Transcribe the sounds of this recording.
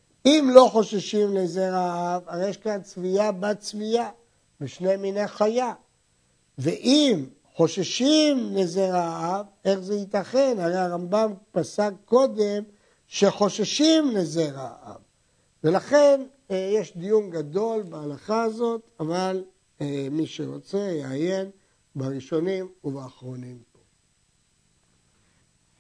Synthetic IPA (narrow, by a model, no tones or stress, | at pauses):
imlo̞χo̞ʃaʃimlezeʁaavaʁejeʃkant͡sviabat͡svija | beʃne̞mineχaja | veʔim | χo̞ʃaʃimle̞zeʁaav | e̞χzeit̪aχenhaʁejaʁambampasaɡ̚ko̞d̪e̞m | ʃe̞χo̞ʃaʃimlezeʁa̰a̰v | ve̞laχe̞n | jeʃd̪ijunɡad̪o̞lbaalaχaːzo̞t̪aval | miʃeʁo̞t͡se̞jeaje̞n | baʁiʃo̞nimuvaːχʁo̞nimpo̞